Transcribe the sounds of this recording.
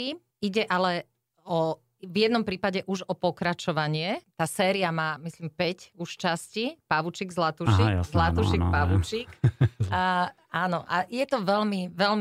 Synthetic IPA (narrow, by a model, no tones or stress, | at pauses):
i | iɟɛʔalɛ | ɔ | vjɛd̪nɔmpɾiːpaɟɛʔuʒɔpɔkɾat͡ʃɔʋaɲɪɛt̪aːsɛːɾiamaːmislimpɛcuʃt͡ʃascipaʋut͡ʃiːɡzlat̪uʃikzlat̪uʃik̚paʋut͡ʃik | aːnɔʔajɛt̪ɔʋɛlmiʋɛlm